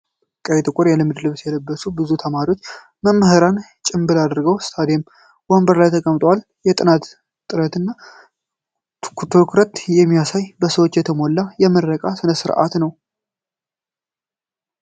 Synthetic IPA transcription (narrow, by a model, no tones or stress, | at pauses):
kʼəjt̪ʼɨkʷʼʊɾjɛlɨmɨd̪lɨβsjɛləbːəsubɨzut̪ʰəmaɾiwo̞t͡ʃː | məmːəhɨɾan | t͡ʃʼɪmbɨlad̪ɾɡəwst̪ʰad̪jem | wɔmbəɾlajt̪ʰəkʼəmt̪ʼwal | jɛt̪ʼɨnat̪ | t̪ʼɨɾət̪ɨnːa | kt̪ʰoɾkʰuɾət̪jɛmːijasajbəsəwot͡ʃːjɛt̪ʰəmo̞lːajɛməɾəkʼasɨnəsɨɾʔa̰t̪nəw